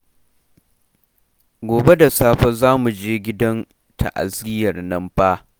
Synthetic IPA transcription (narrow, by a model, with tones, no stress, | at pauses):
ɡʷoː˨be˦da˨saː˦ɸɐ˦zaː˦mu˨d͡ʒeː˦ɡʲɪ˦dɐ˦n | tʰa̰˨ʔa̰˨zɪ˦jɐ˨rnɐ˦mɸa˦ʔ